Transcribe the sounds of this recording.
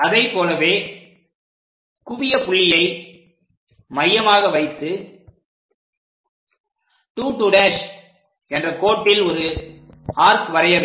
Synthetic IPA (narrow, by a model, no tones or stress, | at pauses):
ɐðɐɪpːoːlɐʋeː | kʊʋɪjɐpʊɭːɪjɐɪ | mɐjːɐmaːɣɐʋɐɪt̪ːɯ | ʈuːʈːuɽaːs | ɛndrɐkoːʈːɪlɔɾɯ | aːɾkʋɐɾɐjɐn